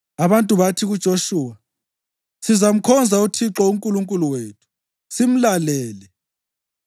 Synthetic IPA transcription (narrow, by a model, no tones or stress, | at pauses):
aβantʼuβatʰiɣud̥ʒ̥ʱoʃuːwa | sizam̩kʰɔnd͡zʱautʰiǁɔuŋkʼuluŋkʼuluweːtʰu̥ | sim̩lalɛːlɛ